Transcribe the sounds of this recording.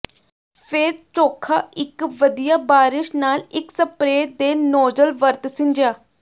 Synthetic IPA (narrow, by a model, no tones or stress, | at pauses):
pʰɪɾt͡ʃoːkʰaːɪkʋəd̪ijaːbaːɾɪʃnaːlɪksəpɾeːd̪eːnoːd͡ʒəlʋəɾt̪sɪ̃ɲd͡ʒjaː